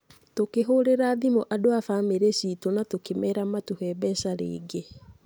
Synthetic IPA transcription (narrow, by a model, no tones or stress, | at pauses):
tokeɦoɾeɾaːðimoʔadoafaːmeɾesiːtonatokemɛɾamatuhɛbɛsaɾḛːɡe